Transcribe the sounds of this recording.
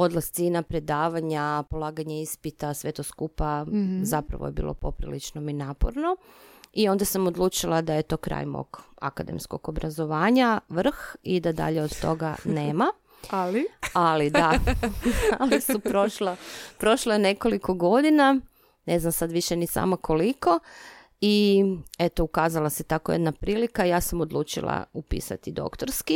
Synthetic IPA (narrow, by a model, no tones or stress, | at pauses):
od̪last̪sinapɾe̞d̪aːʋaɲapo̞lˠaːɡaɲeispit̪asʋe̞t̪oskupazapɾa̰ʋo̰jebḭlˠʔo̞̰po̞pɾilit͡ʃnominaːpo̰ɾno̞ | io̞nd̪asamod̪lˠuːt͡ʃilˠad̪aje̞t̪o̞ːkɾa̰jmo̰ɡa̰kad̪ḛmsko̞̰ɡobɾʔazo̞ʋaːɲaʋr̩xid̪ad̪a̰ʎeod̪t̪o̞̰ɡa̰neːma | lialid̪a | alisupɾoʃlapɾo̞ʃloene̞ko̞liko̞ɡo̞d̪ina | neznamsad̪ʋiʃenisa̰ːmakʰo̞liko̞ | iet̪oukaːzalˠaset̪akojed̪napɾiːlikaijaːsamod̪lˠuːt͡ʃḭlˠa̰upḭːsa̰t̪id̪o̞̰kt̪oɾski